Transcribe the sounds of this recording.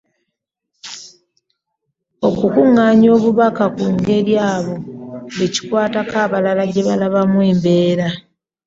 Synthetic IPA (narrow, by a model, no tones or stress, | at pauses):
o̞kukuŋːaːɲo̞ːβuβakakuŋɡe̞ɾjaːβo̞eci̥kwaːtakaːβalalaɟe̞βalaβamweːmbe̞ːɾa